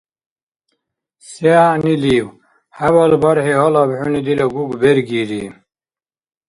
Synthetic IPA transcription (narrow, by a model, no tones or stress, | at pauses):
sjaniliw | haβɐlbɐɾhiɦɔlabħunid̪ilaɡuɡbeɾɡiɾḭ